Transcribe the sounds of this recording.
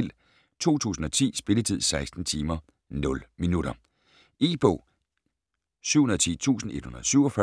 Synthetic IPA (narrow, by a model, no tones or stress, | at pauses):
l̰ | t͡sʰo̝̰ːt͡sʰṵːsn̩ɒ̽t͡sʰḭːsb̥e̝lət͡sʰið̞̰ˠsɑ̈ɪsd̥n̩t͡sʰiːmɐ | nɔ̽lminuɾ̥ɐ | ḭb̥ɔ̰ | syʊ̰unɐð̩ˠt͡sʰḭːt͡sʰṵːsn̩e̝d̥hunɐðˠsyʊɐfɶ